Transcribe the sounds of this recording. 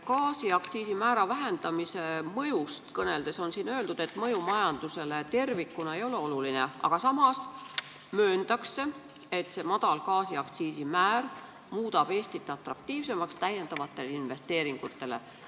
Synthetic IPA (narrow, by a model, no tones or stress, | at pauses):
kɑːsiɑkt̪siːsimæːɾɑvæɦe̞nd̪̥ɑmise̞mɤ̞just̪kɤne̞ld̪̥e̞so̞nsiːnø̞ːld̪ud̪̥e̞t̪ˑmɤjumɑjɑnd̪use̞le̞t̪e̞rvikːˑunɑe̞jo̞le̞o̞lulineʔɑ̰ɡ̥ɑsɑmɑs | møːnd̪̥ɑkse̞ | et̪se̞mɑd̪̥ɑlkɑːsiɑkt̪siːsimæːr | muːd̪̥ɑb̥e̞ːst̪it̪ːˑeɑt̪ɾɑk̚t̪iːvse̞mɑkst̪æjːe̞nd̪̥ɑvɑt̪ːˑe̞leinve̞st̪e̞ːɾiŋɡ̥ut̪ːˑe̞le̞̰